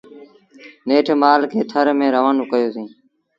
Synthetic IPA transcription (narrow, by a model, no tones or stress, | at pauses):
neːʈʰmaːlkʰeːt̪ʰəɾmẽːɾəʋaːnoːkəjoːsĩː